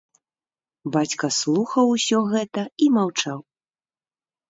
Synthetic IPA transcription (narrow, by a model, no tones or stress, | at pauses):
bat͡sʲkɐslˠuxɐwusʲɔɣɛt̪ɐimawt͡ʂaw